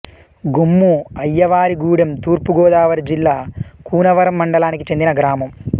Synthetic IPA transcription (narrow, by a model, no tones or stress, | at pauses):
ɡumːuɐjːɐʋaːɾiɡuːɽɐmt̪uːrpuɡoːðaːʋɐɾd͡ʑilːakuːnɐʋɐɾɐmːɐɳɖɐlaːnikʲːit͡ɕe̞nd̪inɐɡɾaːmɐm